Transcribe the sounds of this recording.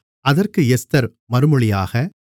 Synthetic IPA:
ɐðɐrkɯɛst̪ɐɾ | mɐɾɯmɯɭɪjaːɣɐ

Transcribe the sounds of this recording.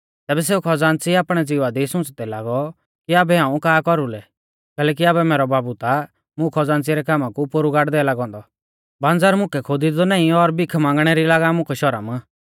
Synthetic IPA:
t̪ɛːbɛs̬eːukʰɔd͡zãːnt͡siaːpɽ̃ɛd͡ziʋad̪isʊ̃t͡st̪ɛlaːɡɔ | kiaːbɛɦãːũkaːkɔɾulɛ | kɛːlɛːk̬iaːbɛmɛːɾɔbaːbut̪a | mʊ̃kʰɔd͡zãːnt͡siɾɛkaːmãkupʊɾuɡaːʈd̪ɛːlaːɡɔ̃ːnd̪ɔ | bãːnd͡zaːɾmʊ̃kɛkʰod̪id̪ɔnãːĩɔɾbikʰmãːŋɡɽ̃ɛɾilaːɡamʊ̃kʰɛʃɔɾə̰m

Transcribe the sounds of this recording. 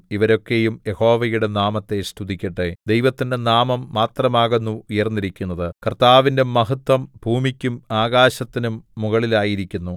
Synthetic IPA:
iʋɐɾo̞kːe̞jumjeho̞ːʋɐjuɽe̞naːmɐt̪ːe̞st̪ud̪ikʲːɐʈːed̪ejʋɐt̪ːinde̞naːmɐmːaːt̪rɐmaːɣenːuujɐrnːiɾikʲːunːɐðɨkɐrt̪aːʋinde̞mɐɦɐt̪wɐmb̥ʱuːmikʲːumaːɣaːɕɐt̪ːinumːuɣɐɭilaːjiɾikʲːunːu

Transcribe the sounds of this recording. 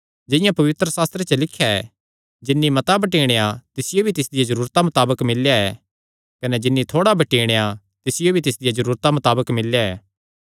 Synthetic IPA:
d͡ʒɪ̃jãpɐʋɪt̪ɾəsaːst̪ɾet͡ʃɐlɪkʰːjaɛ | d͡ʒɪnːimɐt̪abɐʈiːɽ̃ejat̪ɪsɪjobʱit̪ɪsd̪ɪjazɐɾuːɾt̪amɐt̪aːbəkmɪljaɛː | kɐnɛd͡ʒɪnːit̪ʰoːɽabʱɐʈiːɽ̃eja | t̪ɪsɪjobʱit̪ɪs̬d̪ɪjazɐɾuːɾt̪amɐt̪aːbəkmɪljaɛ̰ː

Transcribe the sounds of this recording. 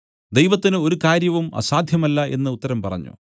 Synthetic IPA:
d̪ejʋɐt̪ːinɨo̞ɾukaːɾjɐʋumɐ̰saːd̪ʱjɐmɐlːɐʔe̞̰nːɨut̪ːɐɾɐmpɐrɐ̰ɲːṵ

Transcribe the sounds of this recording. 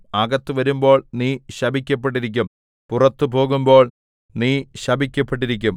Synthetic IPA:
ɐɡɐt̪ːuʋɐɾumbo̞ːɭniːɕɐbʱik̬ʲːɐpːeʈ̬ːiɾik̬ʲːum | purɐt̪ːubo̞ːɣumbo̞ːɭ | niːɕɐbʱikʲːɐpːeʈ̬ːiɾik̬ʲːum

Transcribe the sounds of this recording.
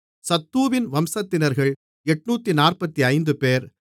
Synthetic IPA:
sɐt̪ːuːʋɪnʋɐmsɐt̪ːɪnɐɾɣɐɭ | ɛʈnuːt̪ːinaːrpɐt̪ːiɐɪnd̪ɯpeːɾ

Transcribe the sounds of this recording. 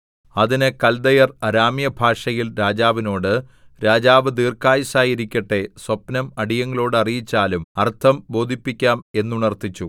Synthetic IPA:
ɐðinɨkɐld̪ɐjɐrɐɾaːmjɐbʱaːʂɐjilɾaːd͡ʑaːʋino̞ːɽɨ | ɾaːd͡ʑaːʋɨd̪iːrkaːjisaːjiɾikʲːɐʈːe̞swɐpnɐmɐɽijɐŋːɐɭo̞ːɽɨɐrijit͡ɕːaːlumɐrt̪ʰɐmbo̞ːd̪ʱipːikʲːaːme̞nːuɳɐrt̪it͡ɕːu

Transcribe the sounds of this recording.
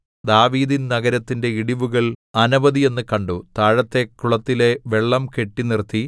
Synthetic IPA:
d̪aːʋiːðinnɐɣɐɾɐt̪ːinde̞iɽiʋuɣɐɭɐnuʋɐðie̞nːɨkɐɳɖut̪aːɻɐt̪ːe̞kːuɭɐt̪ːile̞ʋe̞ɭːɐmke̞ʈːinirt̪ʰːi

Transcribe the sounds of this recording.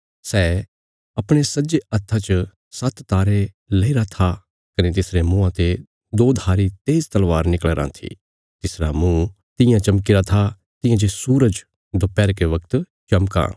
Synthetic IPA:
sɛː | ɐpɽ̃esɐd͡ʒeɐt̪ʰːat͡ʃ | sɐt̪ːaːɾe | lɐiɾat̪ʰa | kɐnet̪ɪsɾemũːãt̪e | d̪oːd̪ʱaːɾit̪eːzt̪ɐlʋaːɾnɪkəɭeɾã̰t̪ʰḭ | t̪ɪsɾamũː | t̪ɪ̃jãt͡ʃɐmkɪɾat̪ʰa | t̪ɪ̃jãd͡ʒesuːɾəd͡ʒ | d̪opɛːɾkeʋɐkt̪ | t͡ʃɐmkã̰ː

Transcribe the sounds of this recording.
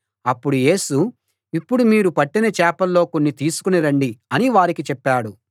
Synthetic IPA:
ɐpːuɽuje̞ːsu | ipːuɽumiːɾupɐʈːinɐt͡ʃɛːpɐlːo̞ːkonːit̪iːsu̥kuniɾɐɳɖiɐniʋaːɾikit͡ʃɛpːaːɽu

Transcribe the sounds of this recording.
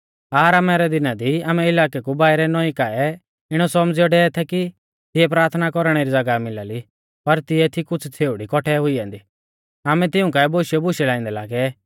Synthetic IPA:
aːɾamɛɾɛd̪ɪnad̪iaːmɛɪlaːkɛkubaːɪɾɛnɔĩkaɛ | ɪɽ̃ɔsɔmd͡ziɔɖɛːɛt̪ʰɛki | t̪ɪɛpɾaːɾt̪ʰnakɔɾɽ̃ɛɾid͡zɐɡamɪlaːli | pɐɾt̪ɪɛt̪ʰikʊt͡sʰt͡sʰeːʊɽikɔʈʰɛɦʊiãːnd̪i | aːmɛt̪ɪʊ̃kaːɛboːʃjɔbʊʃɛlãːĩnd̪ɛlaːɡɛ

